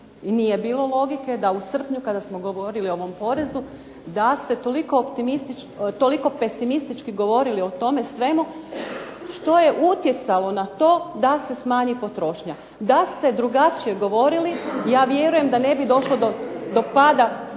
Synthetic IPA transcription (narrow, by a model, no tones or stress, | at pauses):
inije̞biːlo̞lo̞ɡike̞d̪ausr̩pɲukad̪asmoɡo̞ʋo̞ɾilio̞ʋo̞mpo̞ɾe̞zd̪u | d̪ast̪e̞t̪o̞liko̞ːpt̪imist̪it͡ʃ | t̪o̞liko̞pe̞simist̪it͡ʃkiɡo̞ʋo̞ɾilio̞t̪o̞me̞sʋe̞mu | ʃt̪o̞je̞ʔut̪je̞t̪salo̞nat̪o̞ːd̪ase̞smaːɲipo̞t̪ɾo̞ʃɲa | d̪ast̪e̞d̪ɾuɡat͡ʃije̞ɡo̞ʋo̞ɾilijaːʋje̞ɾuje̞md̪ane̞bid̪o̞ʃlod̪od̪o̞pad̪a